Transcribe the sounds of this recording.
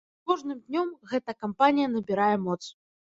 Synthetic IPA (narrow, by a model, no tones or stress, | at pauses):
kɔʐnɨmd̪ʲnʲɔmɣɛt̪ɐkampanʲijɐnɐbʲiɾajɛmɔt̪s